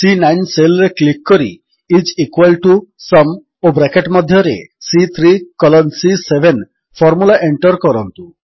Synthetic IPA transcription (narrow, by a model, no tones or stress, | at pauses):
sinajnselɾeklikːɔɾḭ | it͡ʃikwalʈusɔm | obɾɛkeʈmɔd̪ʱjɔɾḛsit̪ʰɾikɔlɔnsisebʱen | fʰɔɾmulaʔeɳʈɔɾkɔɾɔnt̪u